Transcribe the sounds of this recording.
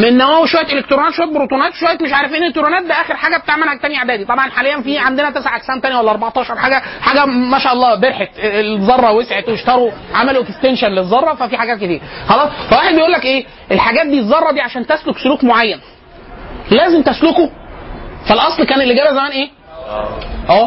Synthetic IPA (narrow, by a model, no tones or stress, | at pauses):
menːæwæːwiʃowæjet̪ʔelekt̪ɾonæːt̪ʃwæjet̪bɾot̪unæːt̪wʃowæjːet̪meʃ̬ʕaɾˤæfiːnʔelek̚t̪ɾonæːt̪̚bæʔæːxeɾħaːɡæbet̪aʕmælhæk̚t̪æmiʕad̪æːd̪it̪ˤɑbʕɑnħalejːænfiːʕand̪enæt̪æsʕaʔæksæːnt̪ænjæwælːæʔɑɾˤbɑʕt̪ˤɑːʃɑɾˤħaːɡæħaːɡæmæʃæːʔɑlːɑːbeɾħet̪zˤɑrˤːɑwesʕet̪weʃt̪ɑɾˤoʕamæloʔekst̪enʃænlezˤːɑrˤːɑfæfiħaɡæːt̪̚ket̪iːɾxɑlɑːsˤfæwaːħed̪bejʔuːlːækʔeː | ʔelħaɡæːt̪̚d̪iːzˤːɑrˤːɑd̪iːʕaʃæːnt̪æsloksoluːkmoʕajːæn | læːzemt̪æsloko | fælʔɑsˤlkæːnelːiɡæːbæzæmæːnʔeː | ʔæː